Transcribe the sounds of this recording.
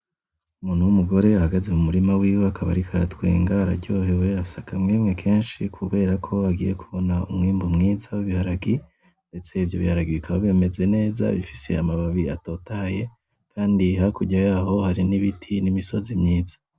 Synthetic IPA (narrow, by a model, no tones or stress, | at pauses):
umuːn̥uwumuɡo̞ɾe̞ahaɡazeumuɾimawiːweakaβa̰ɾikʰaɾa̰tɡwḛːŋɡaɾa̰ɾɟo̞ːhe̞we̞afi̥sakamŋiːmŋe̞kʰe̞ːnʃikʰuβe̞ːɾakʰo̞aɡḭːje̞kuβo̞naumŋiːmbumŋiːzawiβihaɾaɡi | nde̞t͡se̞ivjo̞̰βihaɾaɡiβikaβaβe̞ːme̞ze̞ne̞ːza̰βifi̥se̞̰amaβaβia̰to̞ːtaje̞ | kʰaːndihakuɟajaːho̞haɾiniβitʰinimiso̞zimɲiːzḁ